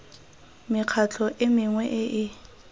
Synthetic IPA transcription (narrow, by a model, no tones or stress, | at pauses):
mɪq͡χʰat͡ɬʰɔʔɪmɪŋwɛʔɪʔɪ